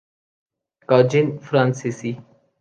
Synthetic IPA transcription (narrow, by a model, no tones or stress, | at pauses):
kaːd͡ʒinfɾãnsisi